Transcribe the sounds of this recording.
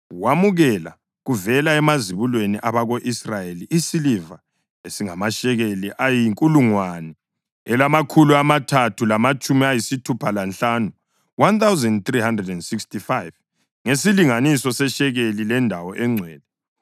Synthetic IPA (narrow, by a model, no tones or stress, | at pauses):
wamuɣɛla̰ | ɣuvɛlaɛmaziβulweniʔaβaɣoʔisrajeliʔisiliva | esiŋamaʃɛɣeliʔajiŋkʼuluŋwanɛ | ɛlamakʰuluamatʰatʰulamat͡ʃʼumiajisitʰupʰalanɬanu | want̪awzɛndt̪rihandrɛdɛndsikstifajv | ŋesiliŋanisɔsɛʃɛɣelilɛndʱawɔʔɛŋ͡ǀʱwɛːlɛ